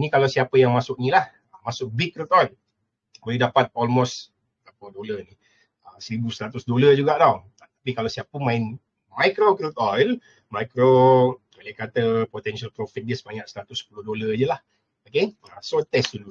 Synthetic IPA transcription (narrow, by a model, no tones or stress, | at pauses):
nikalawsiapəjaŋmasʊk̚nĩlah | əmasʊk̚bikːɾut̪ɔjl | bolɛhdapat̪̚ɔlmos | tapodolani | əsəɾibusɾat̪ʊsdoləd͡ʒuɡaʔdaw | t̪ḁpikalawsiapəmaɪn | majkɾokɾut̪ɔjl | majkɾo | olɛhkat̪əpot̪ɛnsalpɾofit̪̚dəsəbaɲaʔsəɾat̪ʊsːpulʊdolad͡ʒəlah | oke | asot̪ɛsdulu